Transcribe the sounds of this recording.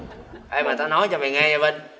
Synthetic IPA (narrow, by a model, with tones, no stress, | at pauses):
ʔaː˧jmaː˨˩t̪a˨˧˦nɔ˨˦jt͡ɕɔ˧mi˨˩ŋɛː˧ɲa˧ɓə˧n